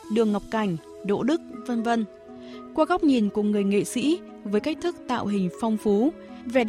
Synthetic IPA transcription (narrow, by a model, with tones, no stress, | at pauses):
ɗɨ˨˩əŋːa˨˩wk͡p̚ka˨˩jŋ̟ | ɗo̰˧˥ɗɨ˦˥k̚və˧nvə˧n | kwaː˧ɣa˦˥wk͡p̚ɲi˨˩nku˧˩əŋɨ˨˩əjŋḛ˧˨sḭ˧˥ | vəː˨˦jka˦˥k̟̚t̪ʰɨ˦˥k̚t̪a̰ː˧˨wɦï˨˩ŋ̟fɔ˧wŋ͡mfu˨˦ | ve˨˩